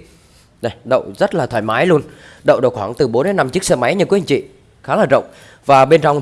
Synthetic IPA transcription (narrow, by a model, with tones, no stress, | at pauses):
ɗa˨˧˩ɗə̰˧˨wzə˦˥t̚laː˨˩aː˧˩jmaː˨˦jlu˧ənɗə̰˧˨wɗə̰˧˨wxwaː˧˩ŋt̪ɨ˨˩ɓo˨˦nɗə˨˦jna˧mt͡ɕi˦˥ək̚səː˧ma˨˦jɲɨ˧kwkt͡ɕḭ˧˨ | xaː˨˦laː˨˩ɗə̰˧˨wŋ͡m | vaː˨˩ɓe˧nt͡ɕɔ˧wŋ͡m